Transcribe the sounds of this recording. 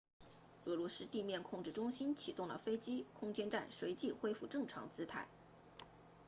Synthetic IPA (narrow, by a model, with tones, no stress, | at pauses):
ɤ˧˥lwɔ˧˥sɹ̩˥t̪i˥˧mjɛ˥˧nkʰʊ˥˧ŋʈ͡ʂɻ̩˥˩ʈ͡ʂʊ˥ŋɕi˥nt͡ɕʰi˨˩t̪ʊ˥˩ŋlə̰˩fe˥ɪt͡ɕi˥kʰʊ˥ŋt͡ɕjɛ˥nʈ͡ʂa̰˥˩nʂwe˧˥ɪt͡ɕi˥˩xwe˥ɪfu˥˧ʈ͡ʂɤ˥˩ŋʈ͡ʂʰɑ̰˧˥ŋt͡sɹ̩˥t̪ʰa˥˩ɪ